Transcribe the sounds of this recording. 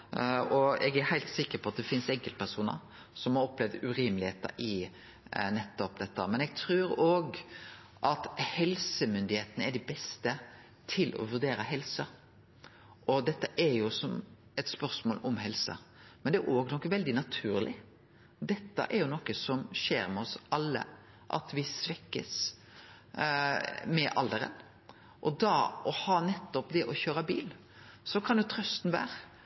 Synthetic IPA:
ɔɛɡæɾhæɪlt̪sɪkːəɾpʰɔɑt̪̚d̪ɛfɪnsɛŋkəlt̪̚pʰæɾsuːnə̰ɾ | sɔmhɑɾɔplɛʋd̪ʉɾiːmlɪheːt̪ə̰ɾɪ | nɛt̪ːɔp̚d̪ɛt̪ːəmɛnɛɡ̚t̪ʰɾʉːɾoːɡ | ʔɑt̪hɛlsəmʏnd̪ɪheːt̪ənəæɖɪbɛst̪ə | t̪ʰɪlʔɔ̰ʋʉɾd̪eːɾəɦɛlsə | ʔɔd̪ɛt̪ːəʔæɾjʊsɔm | ɛt̪spœʁsmoːlɔmhɛlsɑ̰mɛnd̪ɛæɾʔoːɡnɔkːəʋɛld̪ɪnɑt̪ʰʉ̰ːɾlɪ | d̪ɛt̪ːə̰ʔɛɾjʊnɔkːəsɔmʃḛːɾmɛɔsɑlːə̰ | ʔɑ̰t̪ʋɪsʋɛkːə̰s | mɛʔɑ̰ld̪əɾə̰n | ʔɔd̪ɑʔɔhɑnɛt̪ːɔpd̪ɛʔɔçøːɾəbiːl | sɔkʰɑnjʊt̪ʰɾœst̪n̩ʋæ̰ːɾ

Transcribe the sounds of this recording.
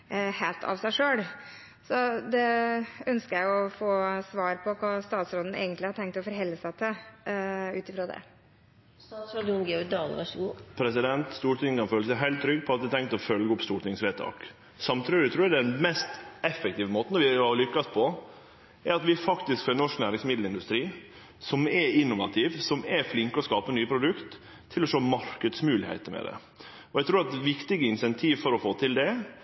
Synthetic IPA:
heːlt̪ʰɑ̰ʋsæɪʂøːɽ | sɔd̪ɛœnskəɾjæɪɔfoːsʋɑːɾpʰɔkʰɑːst̪ɑːt̪sɾoːd̪n̩ḛːɡənt̪lɪhɑʈ̪ʰɛŋk̚t̪ɔfɔɾɦɛlːəsæɪt̪ʰɪl | ʉ̰ːt̪ɪfɾoːd̪ɛ̰ | st̪ɑːsɾɔd̪ʊnɡɛɔɾɡd̪ɑːlə̰ʋɑʂəɡuːpʰɾɛs̬ɪd̪ɛnt̪st̪uːʈʰɪŋkɑnføːləsæɪɦæɪlt̪t̪ʰːɾʏɡːpʰɔɑt̪̚ɛt̪ʰɛŋkt̪ɔfœlɡəʊpst̪uːʈɪŋsʋeːt̪ʰɑ̰ːk | sɑmt̪ʰɾɪɪt̪ɾʉːd̪ɛɛnmɛst̪ɛfːɛk̚t̪ʰiːʋəmoːt̪nɔɾʋɪɑlʏkːɑspʰɔ | æɾɑt̪ʋɪfɑkt̪ɪskfnɔʂknæːɾɪŋsmɪd̪l̩ɪnd̪ʉst̪ɾiː | sɔmɛɾɪnːʊʋɑ̰t̪ʰiːʋsɔmɛɾflɪŋkəɔskɑːpənyːəpʰɾʊd̪ʉkt̪ʰː | ɪlɔʃoːmɑɾkəd̪smʉːlɪhæ̰ɪt̪əmɛ̰d̪ɛ̰ | ɔɛɪt̪ʰɾuːɾɑt̪ʋɪkt̪ɪɡəɪnsɛnt̪ʰiːʋfɔɾɔfoːt̪ʰɪld̪ɛ

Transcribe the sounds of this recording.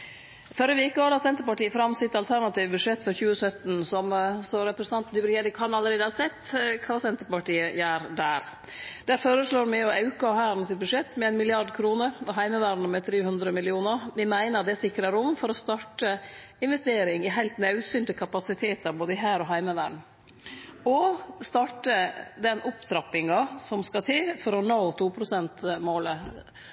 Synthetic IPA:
fɔɾəʋeːkːɔɑlɑsɛnt̪əɾpɑʈiːəfɾɑmːsɪt̪ɑlt̪ʰæɾɳɑt̪iːʋəbʉʂɛt̪ːfɔɾçʉːəsœt̪n̩sɔmsɔɾɛpɾəsɑnt̪nɪbɾed̪ɪkʰɑnɑləɾeːd̪əɑɾsɛt̪ːkʰɑːsɛnt̪əɾpɑʈiːəjæːɾd̪æɾ | d̪̥æɾføːɾəʂɭoːɾmæɪɔɑʉkəhæːɾn̩sɪt̪̚bʉʂɛt̪ːmɛæɪnmɪlɪɑɖkʰɾuːnəɾɔɦæɪməʋæːɾɳəmɛt̪ʰɾeːhʉnd̪ɾəmɪlɪuːnəɾmɪmæɪnəɾɑt̪d̪ɛsɪkɾəɾʊmːfɔɾɔst̪ɑʈə | ɪnʋɛst̪eːɾɪŋɪɦæɪlt̪nɑʉsyːnt̪əkʰɑpɑsɪt̪ʰeːt̪əɾboːd̪əɪɦæːɾɔɦæɪməʋæːɾɳ | ɔst̪ɑʈəd̪ɛnʔʊpt̪ʰɾɑpːɪŋɑsɔmskɑt̪ʰɪlfɔɾɔnoːt̪ʰuːpʰɾʊsɛnt̪moːlə

